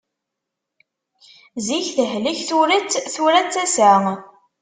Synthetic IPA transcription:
ziçθəɦliçθuɾət͡sːθuɾæt͡sːæsæ

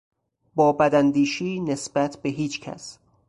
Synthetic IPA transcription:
bɒːbæd̪ænd̪iːʃiːnesbæt̪ʰbeɦiːt͡ʃcʰæ̰s

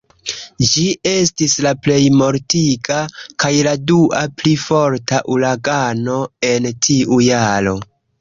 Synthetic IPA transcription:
d͡ʒie̞s̬tislaple̞jmo̞ɾtiɡakajladuʔaplifo̞ɾtaʔulaɡano̞e̞ntʰiʔujaɾo̞

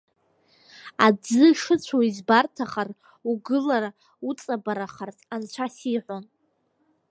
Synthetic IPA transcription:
ad͡zɨʂɨt͡ɕʷʰoizbartʰaχar | uɡɨlaɾa | ut͡sʼabaɾaχartʰʼant͡ʃʷʰasiħʷon

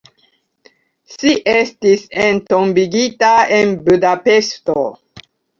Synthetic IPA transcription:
ʃiʔestisentombiɡitaenbudape̞sto

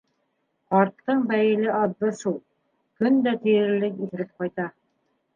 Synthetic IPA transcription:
qɑɾt̪ːɤɴbæjɘ̆lɘʔɑðːɤʃulˠ | kɵnd̪æt̪ĭjɘ̆ɾlːɘkiθɘ̆ɾɘp̚qɑjt̪ɑ

